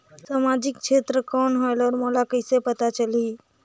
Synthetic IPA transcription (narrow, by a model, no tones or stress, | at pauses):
samad͡ʒɪkt͡ʃʰet̪ɾəkɔːnɦoelɔːɾmolakəjsepət̪at͡ʃəliː